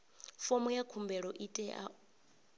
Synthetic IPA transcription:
fɔmɔjakʰumbɛɺɔʔitʼɛʔa̰

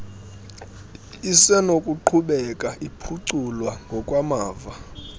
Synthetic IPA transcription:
isɛnokʼuǃʰuɓɛkʼaʔipʰuǀulwaŋɡʱɔkʼwamaːva

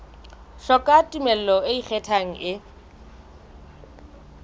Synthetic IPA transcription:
ʃɔkʼatʼumɛl̩lɔɪik͡xʰɛtʰaŋ̩ʔɪ

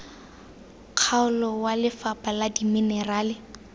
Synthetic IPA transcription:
q͡χʰaʊlɔwalɪfapʼaladiminɛraːlɪ

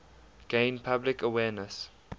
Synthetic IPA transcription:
ɡ̥ẽɪ̃npʰablɪkəwɛːnəs

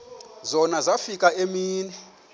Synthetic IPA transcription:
zɔnazafikʼaemiːnɛ

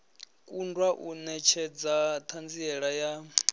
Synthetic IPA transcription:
kʼundwaʔunɛt͡ʃʰɛd͡zat̪ʰand͡ziɛɺaja

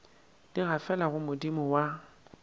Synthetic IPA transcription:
d̥iɣafɛlaɣʊmʊdimʊwa

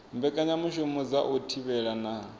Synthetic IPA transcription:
mbɛkʼaɲamuʃumɔd͡zaʔutʰiβɛɺana

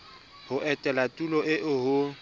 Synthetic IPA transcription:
hʊʔɛtʼɛlatʼulɔʔɪʔʊɦʊ

